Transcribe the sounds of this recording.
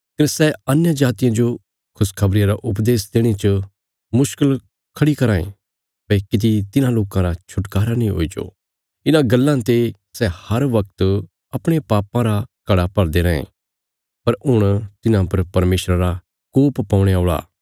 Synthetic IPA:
kɐɾsɛɐnjãd͡ʒaːt̪ɪjãd͡ʒo | kʰʊskʰɐbɾɪjãɾaʔʊp̬d̪eːsd̪eːɽ̃it͡ʃə | mʊʃkəl | kʰɐɽikɐɾãːḛ̃ | pɛkɪt̪it̪ɪnãloːkãɾat͡ʃʰʊʈkaːɾanĩɦo̰ːid͡ʒo̰ː | ɪnãɡɐlːãt̪e | sɛhɐɾʋɐk̚t̪ | ɐpɽ̃epaːpãɾakɐɽapɐɽd̪eɾɐḛ̃ | pɐɾɦʊɽ̃t̪ɪnãpɐɾpɐɾmeːʃɾaɾa | kuːppãːʊ̃ɽ̃eoːɭa̰ː

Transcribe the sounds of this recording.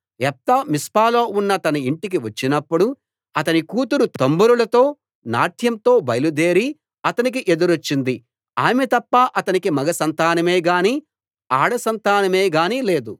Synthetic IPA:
ɛp̚t̪ɐmispaːlo̞ːunːɐt̪ɐnɐiɳʈik̬iʋɐt͡ʃːinɐpːuɽu | ɐt̪ɐnikuːt̪uɾut̪ombuɾulɐt̪o̞ː | naːʈʰjɐmt̪o̞ːbɐjɐlud̪e̞ːɾi | ɐt̪ɐnik̬iʔe̞d̪uɾot͡ʃːind̪i | aːmet̪ɐpːaʔɐt̪ɐnikimɐɡɐsɐnt̪aːnɐme̞ːɡaːniː | aːɽɐsɐnt̪aːnɐme̞ːɡaːniːle̞ːd̪u

